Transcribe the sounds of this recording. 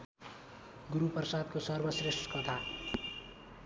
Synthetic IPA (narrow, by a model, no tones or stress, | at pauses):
ɡuɾupʌrsad̪̚kosʌrbʌsresʈkʌt̪ʰa